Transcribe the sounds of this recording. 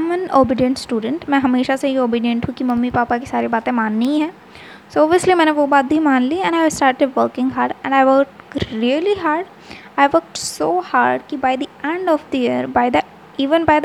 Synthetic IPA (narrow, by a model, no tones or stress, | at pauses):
mə̃noːbɪɖiə̃ɳʈsʈuːɖə̃ɳʈmɛ̃ːɦɐmeːʃaseɦioːbiːɖiə̃nʈ̪ʰũkimɐmːipaːpakisaːɾibaːt̪ẽmaːnːiiɦɛ̃ː | soɔːbijəslimɛ̃ːneʋobaːt̪̚bʱimaːnliɛ̃ɳaɪsʈaːɾʈeɖʋəːɾkɪ̃ŋɦaːɾɖɛ̃ɳɖaɪʋəːk̚ʈɾiəliɦaːɾɖ | aɪʋəɾk̚ʈsoːha̰ːɾɖkibaːɪd̪iʔɛ̃ɳɖɔfd̪ijiəɾbaɪd̪ə | iːʋə̃nbaːɪd̪